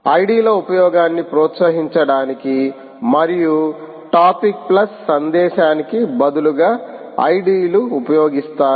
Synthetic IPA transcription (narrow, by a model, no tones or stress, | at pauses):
ɐjɖiːlɐupɐjɔːɡaːnːipɾɔːt̪sɐɦiɲt͡ʃɐɽaːniki | mɐɾiju | ʈaːpik̚plɐsːɐnd̪ɛːʃaːnikibɐd̪uluɡaː | ɐ̰jɖiːluːpɐjɔːɡist̪aː